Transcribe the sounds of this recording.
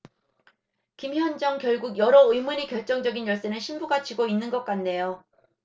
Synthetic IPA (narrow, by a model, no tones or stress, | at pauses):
kimçjʌnd͡ʑʌŋkjʌɭɡuɡjʌɾʌɯjmuɲikjʌɭt͡ɕ͈ʌŋd͡ʑʌɡinjʌɭs͈ɯnɯɭɕʰinbuɡat͡ɕiɡoinːɯnɡʌk͈̚anːe̞jo